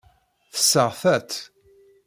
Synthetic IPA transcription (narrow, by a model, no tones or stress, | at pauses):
θə̥sːəʁθæt̪